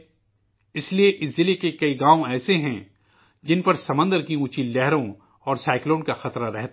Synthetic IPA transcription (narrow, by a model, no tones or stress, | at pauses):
ɪslieʔɪszɪlekekɐiɡaːõɛːseɦɛ̃ | d͡ʒɪnpɐɾsɐmə̃nd̪əɾkiũːt͡ʃilɛɦɾõ | ɔːɾsaːɪklõːnkaxɐt̪ɾaɾɛɦt̪a